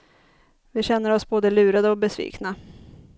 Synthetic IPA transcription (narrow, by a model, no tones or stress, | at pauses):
vɪɕɛnːəɾɔsboːd̪əlʉ̟ːɾad̪əɔk̚bɛsvḭːkna